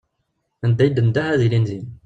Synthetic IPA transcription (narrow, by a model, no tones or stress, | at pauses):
ænd̪æjd̪ənd̪æhæðilinzim